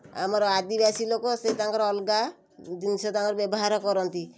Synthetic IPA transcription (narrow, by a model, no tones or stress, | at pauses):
a̰mɔɾɔad̪ibasilokɔset̪aŋkɔɾɔlɡa | d͡ʒinset̪aŋkɔɾbjɔbɔɦaɾɔkɔɾɔnt̪i